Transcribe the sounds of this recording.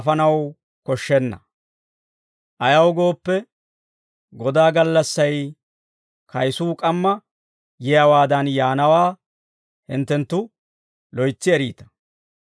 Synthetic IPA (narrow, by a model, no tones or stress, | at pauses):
fɐnɐw | kɔʃːɛnːɐ̰ | ʔɐjɐwɡo̞ːpːɛ | ɡɔd̪aːɡɐlːɐsːɐj | kɐjsuːkʼɐmːɐ | jɛjɐwaːd̪ɐnjaːnɐwaː | hɪnt̪ːɛnt̪ːʊ | lɔjt͡sːɪɛɾiːt̪ɐ̥